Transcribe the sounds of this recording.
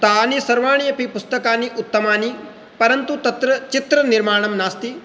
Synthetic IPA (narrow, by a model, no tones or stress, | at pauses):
t̪aːnisɐɾʋaːɳ̃ijɐpipʊst̪ɐkaːniʔʊt̪ːɐmaːni | pɐɾɐnt̪ut̪ɐt̪ɾɐt͡ʃit̪ɾɐniɾmaːɳ̃ɐmnaːst̪i